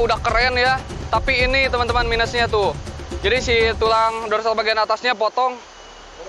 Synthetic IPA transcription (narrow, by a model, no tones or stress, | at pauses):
udahkəɾɛnjat̪apiːnit̪əmant̪əmanminəsɲat̪ʊd͡ʒadisit̪ulaŋdɔɾsalbaɡajanat̪asɲapɔt̪ɔŋ